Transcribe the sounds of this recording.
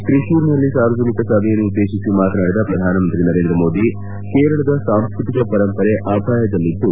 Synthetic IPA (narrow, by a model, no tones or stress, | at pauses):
kɾiʃuːɾnɐlːisaːɾʋɐd͡ʒɐnikɐsɐbʱɛjɐnːuːd̪ːe̞ːʃisimaːt̪ɐnaːɽid̪ɐpɾɐd̪ʱaːnɐmɐnt̪ɾinɐɾe̞ːnd̪ɾɐmo̞ːd̪i | keːɾɐɭɐd̪ɐsaːmskɾut̪ikɐpɐɾɐmpɐɾeʔaːpʰaːjɐd̪ɐlːid̪ːu